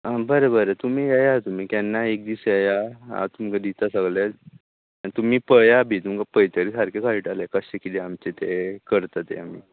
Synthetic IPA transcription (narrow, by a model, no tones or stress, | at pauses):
abəɾəbəɾət̪um̤iːajat̪um̤iːkɛnːaek̚d̪isajaɦa̰t̪umkad̪it̪asəɡlja | it̪um̤iːpəjabʱiːt̪umkapəjt̪əɾisaɾkekaiʈalekəɕekit̪iamt͡ɕet̪ekəɾt̪at̪ḛam̤ḭː